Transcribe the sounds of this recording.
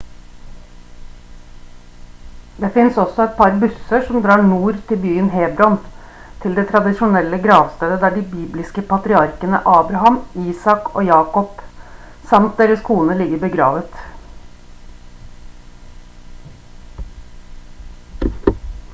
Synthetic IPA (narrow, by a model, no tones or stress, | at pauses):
d̪eːfɪnsɔsɔɛt̪̚pʰɑɾbʉsəʂɔmd̪ɾɑːɳuːɾt̪ʰɪlbyːənɦeːbɾɔn | t̪ʰɪld̪eːt̪ʰɾɑd̪ɪʃʊnɛlːəɡɾɑːʋst̪eːd̪əd̪æːɖibiːblɪskəpʰɑt̪ɾɪɑɾkənə̰ʔɑːbɾɑhɑmiːsɑko̰ːjɑːkɔp | sɑmt̪̚d̪eːɾəskʰuːnəlɪɡəbəɡɾɑ̰ːʋət̪